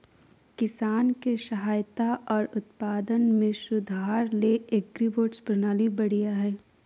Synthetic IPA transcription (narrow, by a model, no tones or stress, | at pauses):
kɪsaːnkeʃɐɦaːjt̪aʔɔːɾʊt̪paːd̪ənmẽʃʊd̪ʱaːɾleek̚ɡɾiʋoːʈspɾənaːlibɐɽijaɦɛː